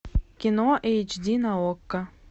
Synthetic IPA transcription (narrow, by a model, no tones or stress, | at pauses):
kʲinoʔejt͡ʃd̪ʲinaokːə